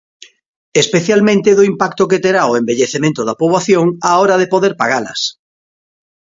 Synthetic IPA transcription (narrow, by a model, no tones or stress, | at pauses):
espeθjalmẽnt̪eðʊimpakt̪oket̪eɾaoembeʎeθemẽnt̪ʊðapoβlaθjoŋaoɾaðepoðeɾpaɣalɐ̰s